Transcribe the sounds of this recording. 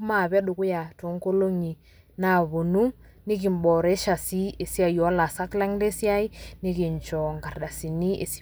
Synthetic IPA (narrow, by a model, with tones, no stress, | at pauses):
ma˦˨βɛ˦ɗʊ˨kʊ˦ja˨to˨˦ŋ˦ko˦lo˦ŋi˨ | na˨βo˨nu˦ | ni˦k̬i˨mbɔ˨ɾɛ˦ʃa˨si˦e˨si˦a˨jɔ˨˦la˨sa˦kla˦ŋle˦si˦a˦i˦ni˦ki˨nt͡ʃɔ˨ŋɡa˨rɗa˨si˨ni˦ʔḛ˨s